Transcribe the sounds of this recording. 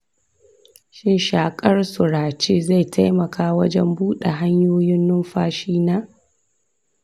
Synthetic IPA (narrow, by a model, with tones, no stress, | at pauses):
ʃɪ˦nʃaː˨kʼɐ˦rsʊ˨ɾaː˨t͡ʃeː˦za˦˨jtʰa˦jmɐ˨kʰaː˦wɐ˦d͡ʒɛ˦mbuː˦ɗe˨ɦa˦ɲjoː˦jɪ˦nːʊ˦mɸaː˦ʃiː˦naː˦